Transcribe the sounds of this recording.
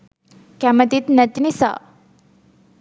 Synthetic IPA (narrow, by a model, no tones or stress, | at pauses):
kæmət̪it̪nət̪nisa̰